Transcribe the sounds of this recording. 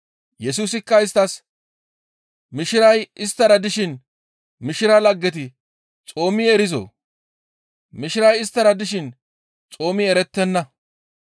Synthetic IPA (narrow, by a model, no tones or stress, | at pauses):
jɛs̬uːsɪkːɐɪs̬t̪ɐs | mɪʃɪɾɐjɪst̪ːɐɾɐd̪ɪʃɪn | mɪʃɪɾɐlɐɡːɛt̪̬ɪ | t͡sʼo̞ːmɪɛɾɪzo̰ | mɪʃɪɾɐjɪst̪ːɐɾɐd̪ɪʃ̬ɪn | t͡sʼo̞ːmɪɛɾɛt̪ːɛnːɐ